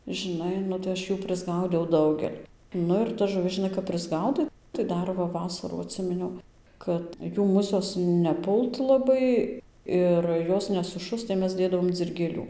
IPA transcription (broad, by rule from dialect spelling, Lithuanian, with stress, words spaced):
ʒʲɪˈnɐɪ ˈnʊ tɐɪ ɐʃʲˈjuː pʲrʲɪzˈɡɐʊdʲɛʊ ˈdɐʊɡʲɛlʲ ˈnʊ ɪr tɐs ʒʊˈʋʲɪs ʒʲɪˈnɐɪ kɐp pʲrʲɪzˈɡɐʊdɐɪ tɐɪ ˈdɐr ʋɐ ˈʋɑːsɐrɑː ɐtʲˈsʲɪmʲɪnʲɛʊ ˈkɐt ˈjuː ˈmʊsʲoːs nʲɛˈpʊlˠt lˠɐˈbɐɪ ˈɪr ˈjoːs nʲɛsʊˈʃʊst tɐɪ ˈmʲɛs ˈdʲeːdɐʋoːm d͡zʲɪrʲɡʲeːˈlʲuː